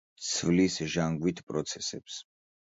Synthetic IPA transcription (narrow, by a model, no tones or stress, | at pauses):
t̪sʰvlisʒaŋɡwit̪ʰpʼɾɔt̪sʰɛsɛps